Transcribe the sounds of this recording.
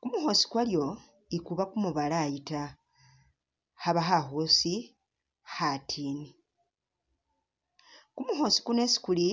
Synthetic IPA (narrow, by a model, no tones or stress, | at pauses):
kumuxo̞si̥kwaljo̞ | ikuβakumuβalajita | haβaxaxosi | xatʰiːni | kumuxo̞si̥kune̞si̥kuli